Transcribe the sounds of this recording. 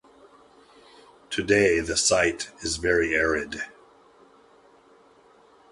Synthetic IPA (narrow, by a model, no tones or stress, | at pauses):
tʰɨdeɪðɨsaɪɾɨzvɛɹiɛɹɪd̥